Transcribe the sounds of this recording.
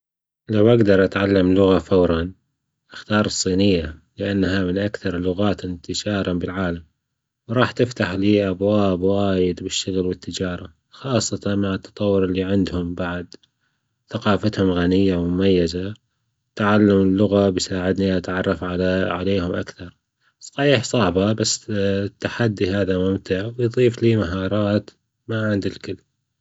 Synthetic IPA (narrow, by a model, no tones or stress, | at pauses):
lawʔaɡd̪ɑɾˤʔat̪ʕalːamlʊɣafawɾˤɑn | ʔaxt̪ɑːɾˤɨsˤːiːnɪjːalɪʔanːɦamɪnʔakθɑɾˤlʊɣaːt̪ʔɪnt̪ɪʃɑːɾˤɑbɪlʕaːlam | wɾˤɑːħt̪ɪft̪aħliːʔabwaːbwaːjɪd̪bɪʃːʊɣlwɪt̪ːɪd͡ʒɑːɾˤɑ | xɑːsˤːɑt̪ɑnmaʕɪt̪ːɑ̥t̪ˤɑwːʊɾɪlːiʕɪnd̪hʊmbaʕd̪ | θaqɑːfat̪hʊmɣanɪjːamʊmajːaza | t̪aʕalːamɪlːʊɣabjsaːʕɪd̪niʔat̪ʕɑrˤːɑfʕaʕaleːhʊmʔa̰kθɑɾˤ | sˤɑħiːħsˤɑʕbabasːt̪ːaħad̪ːiɦaːðamʊmt̪aʕwjðˤiːfliːmaɦɑːɾˤɑːt̪ | maʕɪnd̪ɪlkɪlː